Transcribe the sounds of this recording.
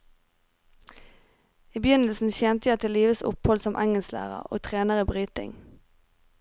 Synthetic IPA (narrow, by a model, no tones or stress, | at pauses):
iːbjʏnəl̩sn̩çɛnt̪əjæɪt̪ʰɪliːʋəsʊ̰phɔlsɔmʔɛŋɛlslæ̰ːʁə̰ʁo̰ːt̪ʰʁeːnəʁiːbʁyːt̪ɪ̰ŋ